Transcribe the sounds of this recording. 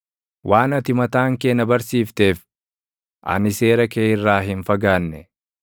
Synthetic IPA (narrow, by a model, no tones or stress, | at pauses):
wʔaːnɐt̪ɪmɐt̪aːŋke̞ːnɐbɐɾsiːft̪e̞ːf | ʔɐ̰nɪse̞ːɾɐkeːɪrːaːɦɪnfɐɡaːnːɛ